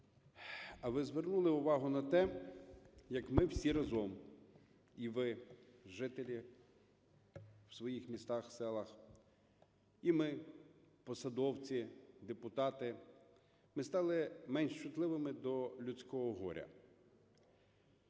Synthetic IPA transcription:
ɐʋɪzʋernulˠɪʊʋɑɦʊnɐt̪ɛ | jɐkmɪwsʲiɾɐzɔm | iʋɪʒɪt̪elʲi | w̥sʋɔjixmʲist̪ɑxsɛlˠɐx | imɪpɔsɐd̪ɔwt͡sʲid̪epʊt̪ɑt̪ɪ | mɪst̪ɑlˠɪmɛnʃt͡ʃʊt̪lˠɪʋɪmɪd̪ɔlʲʊt͡sʲkɔɦɔɦɔ̰ɾʲɐ̰

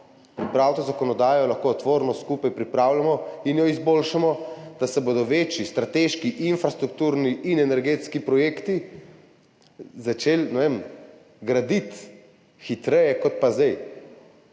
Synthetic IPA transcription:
pɾipɾawt̪ɔzakɔnɔd̪aːjɔlaxkoːt̪ʋoːɾnɔskuːpajpɾipɾaːwlamɔinjɔizbolʃamɔd̪̥asɛboːd̪ɔʋeːt͡ʃist̪ɾat̪eʃkiʔinfɾast̪ɾuk̚t̪uːɾniʔinɛnɛɾɡeːt̪skipɾɔjeːkt̪i | zat͡ʃelnɛʋem | ɡɾad̪it̪ | xit̪ɾɛjɛkɔt̪̚pazd̪ɛj

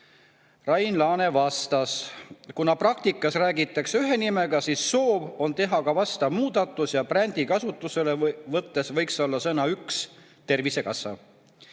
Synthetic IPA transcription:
rɑjnlɑːne̞vɑst̪ɑskunɑprɑk̚t̪ikːˑɑsræːɡit̪ːˑɑksyɦe̞nime̞ɡ̥ɑsisːo̞ːvo̞nt̪e̞ɦɑkɑvɑst̪ɑmuːd̪̥ɑt̪ːˑusjɑprænd̪̥ikɑsut̪ːˑuse̞le̞vɤt̪ːe̞svɤjkso̞lːɑsɤnɑyks | t̪e̞rvise̞kɑsɑ̰

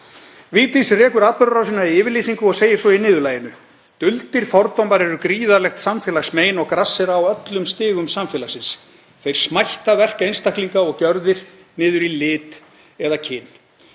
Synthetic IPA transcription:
viːt̪isrɛːkʏɾapœɾrawsɪnaiɪːvɪɾliːsiŋkʏɔɣseːjɪsɔinɪːðʏlaːjɪnʏ | t̪ʏlt̪ɪɾ̥fɔɾt̪owmaɾɛɾʏkɾiːðaɾlɛxt̪samfɛːlaɣsmeːjnɔɣkɾasːɛɾaːwœt̪lʏmst̪ɪːɣʏmsamfɛːlasɪns | θejɾ̥smajht̪avɛr̥kejnst̪ahkliŋkaɔɣcœɾðɪɾ̥ | nɪːðʏɾilɪːt̪ | ɛðacʰɪnː

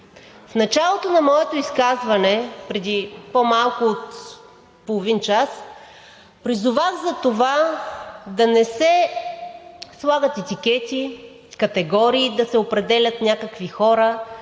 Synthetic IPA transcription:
fnɐt͡ʃalˠot̪onɐmɔɛt̪oiskazvɐnɛpɾɛd̪ipomalˠkʊot̪ | polˠovint͡ʃas | pɾizʊvaxzɐt̪ova | d̪ɐnɛsɛ | slˠaɡət̪ɛt̪ikʲɛt̪i | kɐt̪ɛɡɔɾiːd̪ɐsɛopɾɛd̪ɛlʲɐt̪nʲakəkvixɔɾə

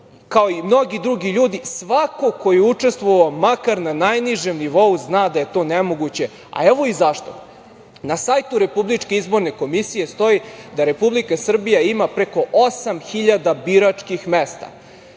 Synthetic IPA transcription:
kaoimno̞ɡid̪ɾuɡiʎuːd̪isʋako̞ko̞jeut͡ʂest̪ʋoʋaomakaɾnanajniʒemniʋo̞uznaːd̪aje̞t̪o̞ːnemo̞ɡut͡ɕe̞ | a̰eʋo̞izaʃt̪o̞̰ | nasajt̪uɾe̞publit͡ʂkeizbo̞ɾne̞ko̞misije̞st̪o̞id̪aɾe̞publikasr̩bijaimapɾeko̞ʔosamxiʎad̪abiɾat͡ʂkixmest̪a̰

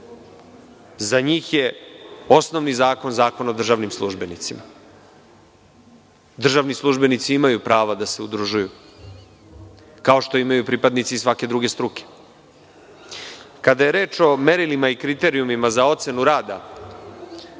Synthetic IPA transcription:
zaɲiːxje̞o̞sno̞ʋnizaːko̞nzaːko̞naod̪r̩ʒaʋnimslˠuʒbe̞nit̪sima | d̪r̩ʒaʋnislˠuʒbe̞nit̪siimajupɾaːʋad̪ase̞ud̪ɾuʒuju | kao̞ʃt̪o̞imajupɾipad̪nit̪siːsʋake̞d̪ɾuɡe̞st̪ɾuke̥ | kad̪aje̞ɾeːt͡ʃo̞me̞ɾilimaikɾit̪e̞ːɾiumimazao̞t̪se̞nuɾaːd̪a

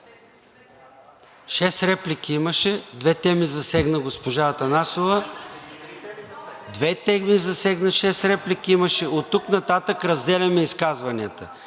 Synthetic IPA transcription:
ʃɛsɾɛplikʰiiməʃɛd̪vɛt̪ɛmizɐsɛɡnəɡospoʒat̪ɐnasovə | d̪vɛt̪ɛmizɐsɛɡnəʃɛsɾɛplikiimɐʃɛot̪ːuknɐt̪at̪əkɾɐzd̪ɛlʲɐmɛiskazvɐniət̪ə

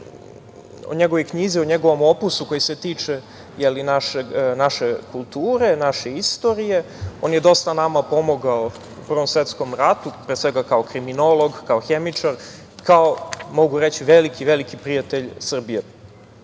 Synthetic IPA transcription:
o̰ɲeɡo̞ʋojkɲizioɲeɡo̞ʋo̞mo̞pusuko̞jiset̪iːt͡ʂe | jelinaʃenaʃekulˠt̪uːɾe̞naʃeist̪o̞ɾije̞o̞njed̪o̞st̪anamapo̞moɡao | upr̩ʋomsʋet̪sko̞mɾat̪upɾesʋeɡakaokɾimino̞lo̞ɡkaoxemit͡ʂaɾ | kaomo̞ɡuɾet͡ɕiʋelikiʋelikipɾijat̪eʎsr̩bije

